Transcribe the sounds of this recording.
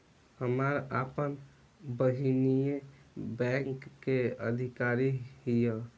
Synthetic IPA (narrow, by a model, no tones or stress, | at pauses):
həmaɾapən | bəɦinijebɛ̃ŋkːeə̰d̪ʱikaɾiɦijə